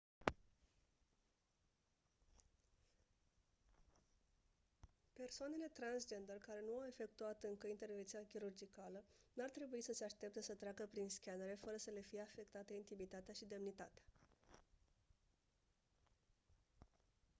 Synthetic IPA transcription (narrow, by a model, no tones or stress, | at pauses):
pe̞rsoane̞le̞t̪ɾansd͡ʒe̞nd̪ərkaɾe̞nuawe̞fe̞k̚t̪uat̪ɨŋkəint̪eɾvensijakʲiɾurd͡ʒikalənuart̪ɾe̞buisəse̞aʃt̪e̞p̚t̪əsət̪ɾeaɡəpɾinskʲanəɾe̞fəɾəsəle̞fije̞afe̞kt̪at̪eint̪imit̪at̪eaʃid̪e̞mnit̪at̪eḁ